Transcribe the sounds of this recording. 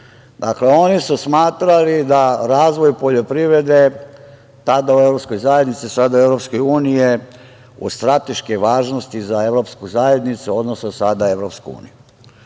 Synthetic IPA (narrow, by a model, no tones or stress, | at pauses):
d̪akle̞o̞nisusmaːt̪ɾalid̪aɾaːzʋo̞jpo̞ʎo̞pɾiʋɾe̞d̪e̞ | t̪ad̪aue̞vɾopsko̞jzajed̪nit̪sisad̪ae̞ʋɾopsko̞juːnije | ṵst̪ɾat̪eʃkeʋaːʒnost̪izae̞ʋɾo̞pskuzaje̞d̪nit̪suo̞d̪nososad̪ae̞ʋɾopskṵṵːniju